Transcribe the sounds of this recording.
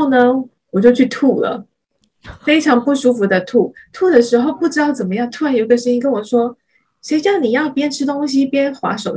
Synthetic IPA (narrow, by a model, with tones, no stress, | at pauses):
ʊnə˧ | wɔ˨˩t͡ɕjo˥˧ʊt͡ɕʰy˥˧t̪ʰu˥˩lə̰˩ | fe˥ɪʈ͡ʂʰɑ˧˥ŋpu˥˩ʂu˥fu˧˥d̪ə˧t̪ʰu˥˩t̪ʰu˥˩d̪ə˩ʂɻ̩˧˥xo˥˧ʊpu˥˩ʈ͡ʂɻ̩˥t̪ɑ˥˩ʊt͡sə˨˩nmə˦jɑ˥˧ŋt̪ʰwnjo˨˩i˧ɡə˧ʂə˥ŋi˥kə˥nwɔ˨˩ʂwɔ˥ | ʂe˧˥ɪɕjɑ˥˩ʊni˨˩jɑ˥˩ʊpjɛ˥nʈ͡ʂʰɻ̩˥t̪ʊ˥ŋɕ̬i˥pjɛ˥nxwa̰˧˥ʂo˨˩ʊ